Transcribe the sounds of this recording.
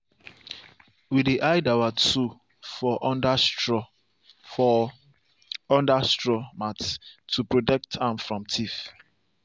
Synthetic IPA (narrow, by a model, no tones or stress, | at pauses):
widiʔajdawatu | fɔʔɔnda | ɔ | ɔ̃ndastɹɔmattʰːupɹodɛk̚tʰãmfɹɔ̃mtʰif